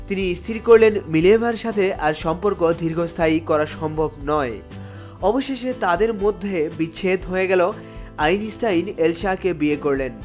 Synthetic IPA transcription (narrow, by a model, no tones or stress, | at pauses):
t̪iniist̪ʰiɾkoɾlenmilebʱaɾʃat̪ʰeʔaɾʃɔmpoɾkod̪ʱiɾɡʱost̪ʰaikɔɾaʃɔmbʱobnɔe | ɔboʃeʃet̪ad̪eɾmod̪ʱːebiɕʰet̪ɦoeɡɛlo | ajnisʈajnelʃakebiekoɾlen